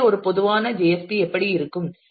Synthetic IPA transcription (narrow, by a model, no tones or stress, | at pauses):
ɔɾɯpɔðɯʋaːnɐd͡ʒeːjɛspiɛpːɐɽiɪɾɯkːɯm